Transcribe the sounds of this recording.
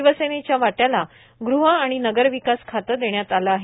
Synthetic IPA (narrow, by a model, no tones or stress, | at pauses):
ʋəsenet͡ɕjaʋaʈjala | ɡɾuɦəaɽ̃inəɡəɾʋikaskʰat̪əɾd̪eɳjat̪alaːɦe